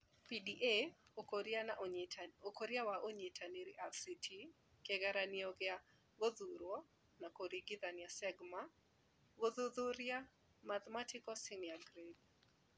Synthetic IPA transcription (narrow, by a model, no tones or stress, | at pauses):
pidiʔeoɾa | okoɾjawaʔoɲɪtʰaniɾɪʔafsitʰi | kɛɡaɾaniɔɡɪa | ɡoðuɾwɔ | nakoɾiɡɪðanɪasɛɡma | ɡoðuðuɾja | mat̪matɪkɔsɪnjaɡɾed